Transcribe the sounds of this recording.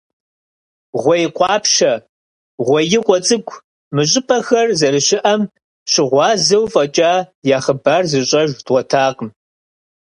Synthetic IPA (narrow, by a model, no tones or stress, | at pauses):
ʁʷɔjɪqʷʼɑːpʃɐ | ʁʷɔjɪqʷɔt͡sʼɨɡʷʰ | mɨɕʼɪpʼɐxɐrzɐɾɨɕɪʔɐm | ɕɪʁʷɑːzɐwfʼɐt͡ʃʼaːjaːχəbaːrzɨɕʼɐʒdʁʷɔtʰaːqəm